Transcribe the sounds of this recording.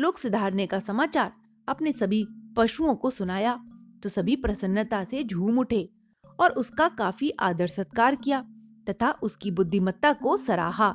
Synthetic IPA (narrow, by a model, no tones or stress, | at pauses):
loːksʊd̪ʱaːɾnekasɐmaːt͡ʃaːɾ | ɐpnesɐbʱipɐʃuõkosʊnaːjat̪osɐbʱipɾɐsənːət̪ased͡ʒʱuːmʊʈʰeː | ɔːɾʊskakaːfiʔaːd̪əɾsət̪̚kaːɾkijaːt̪ɐt̪ʰaʔʊskibʊd̪ʱːimɐt̪ːakosɐɾa̰ːɦaː